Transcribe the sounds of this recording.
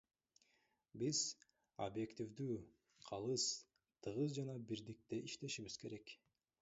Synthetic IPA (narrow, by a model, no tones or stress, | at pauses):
biz | obje̞kt̪ʲivd̪yː | qʰɑlˠɯs | t̪ʰɯʁɯzd͡ʒɑnɑbiɾd̪ik̚t̪e̞ʔiʃt̪e̞ʃiβiz̥ke̞ɾe̞k